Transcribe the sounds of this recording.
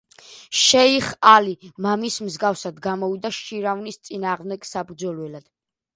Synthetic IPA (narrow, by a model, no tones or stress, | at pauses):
ʃɛiχalimamismzɡafsad̪ɡamɔvid̪aʃiɾavnist̪sʼinaːʁmd̪ɛɡ̥sabɾd̪zɔlwɛlad̪̥